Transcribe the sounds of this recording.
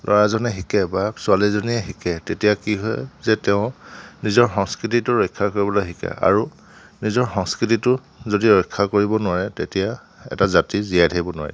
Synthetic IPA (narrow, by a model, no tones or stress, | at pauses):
lʔɔ̰ɹazɔnɛɦikɛbasʊalizɔniɛxikɛtetijakiɦɔ̰jzɛtɛʊ̃nizɔɹxɔŋskɹit̬itʊɹɔjkʰːakoɹibɔlɔɦikɛ̰ʔa̰ɹu | nizɔɹxɔŋskɹititʊ | zodiɹɔjkʰːakoɹibɔnʊaɹɛtetija | ɛ̰tazatizijajtʰaibɔnʊa̰ɹɛ̰